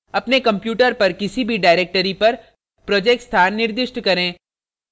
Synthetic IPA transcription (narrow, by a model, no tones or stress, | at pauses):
ɐpnekɐ̃mpjuːʈəɾpɐɾkɪsibʱiɖaːɪɾeːk̚ʈəɾipɐɾ | pɾɔːd͡ʒeːkʈst̪ʰaːnːɪɾd̪ɪʃʈkɐɾẽː